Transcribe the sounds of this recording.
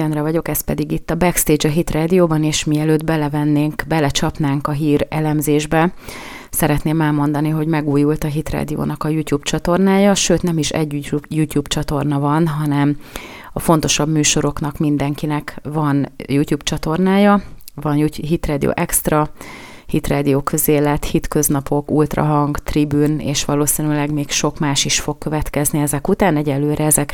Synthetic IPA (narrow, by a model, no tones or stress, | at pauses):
ɛnrɛvɒɟo̞kɛst̪pɛd̪iɡit̪ːɒbɛkst̪eːd͡ʒɒɦit̪raːd̪ijoːbɒneːʃmiɛløːd̪bɛlɛvɛnːeːŋkbɛlɛt͡ʃɒpn̪aːŋkɒɦiːɾɛlɛmzeːʒbɛ | sɛɾɛt̪neːmɛlmo̞nd̪ɒniɦo̞ɟmɛɡuːjult̪ɒɦit̪ra̰ːd̪ijo̰ːnɒkɒjut̪juːbt͡ʃɒt̪o̞rnaːjɒʃøːt̪nɛmiʃɛ̰ɟjut̪juːbt͡ʃɒt̪o̞rnɒvɒnɦɒnɛm | ɒfo̞n̪t̪o̞ʃɒbmyːʃo̞ɾo̞knɒkmind̪ɛŋkinɛkvɒnjutjuːbt͡ʃɒt̪o̞rnaːjɒvɒnjɦit̪raːd̪io̰ːʔɛkst̪rɒ | hit̪raːd̪ijoːkʰø̞zeːlɛt̪hit̪kø̞znɒpʰo̞kult̪rɒ̰ɦɒŋɡt̪ribyːnḛːʃʋɒloːsinylɛɡmeːkʃo̞kmaːʃiʃfo̞kkøvɛt̪kɛzniɛzɛkut̪aːnɛɟɛlːøːɾɛɛzɛk